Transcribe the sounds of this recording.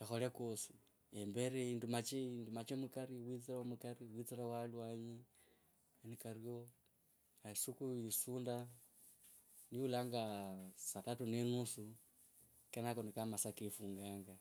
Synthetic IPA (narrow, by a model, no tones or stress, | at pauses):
exolekosi̥ | embeɾeiːndumat͡ʃeindumat͡ʃemukaɾiwit͡siɾaomukaɾiwit͡siɾawalwaɲe | enikarjo | asukuisuːnda | niulaːŋɡasatatunenusu | kenakonikamasakefuːŋɡaːŋɡa